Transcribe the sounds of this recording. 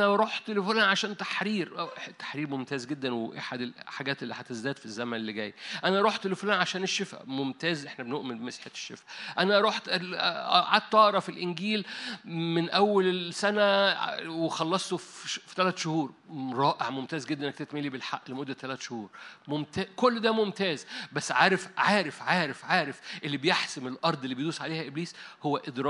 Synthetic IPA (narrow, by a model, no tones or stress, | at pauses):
ʔænæɾˤuːħt̪elefonʕaʃæːnt̪ḁħɾiːɾʔt̪ːḁħɾiːɾmomt̪æːzɡed̪ːænweʔaħad̪elħaɡæːt̪ʔelːiħæt̪ezd̪æːd̪fizːæmænelːiɡæ̰ːjʔænæʔɑɾˤuːħt̪elefonænʕaʃæːneʃːefæ̰momt̪æːzʔeħnæbenoʔmenbemesħet̪e̥ʃːefæʔænæʔɑɾˤuːħʔɑ̰ʕad̪̚t̪ʔɑʔɾˤɑfilʔenɡiːlmenʔæwːælesænæwexɑlːɑsˤt̪offi̥t̪ælæːt̪ʃohuːɾɾˤɑːʔeʕmomt̪æːzɡed̪ːæʔnːæk̚t̪et̪miliːbelħaʔːlemod̪ːæt̪ːælæːt̪ʃohuːɾˤmomt̪æːkolːd̪æmomt̪æːzbæsːʕaːɾefʕaːɾefʕaːɾefʕaːɾefʔelːibejeħsemelʔɑɾˤd̪ˤelːibejd̪uːsʕaleːhæʔebliːshowːæʔed̪ɾˤɑː